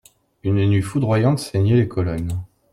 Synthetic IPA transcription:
ynnɥifud̪ʁwajɑ̃t̪seɲɛlekʰɔlɔn

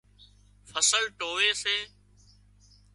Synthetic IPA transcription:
fʰəsəlʈoːʋeːseː

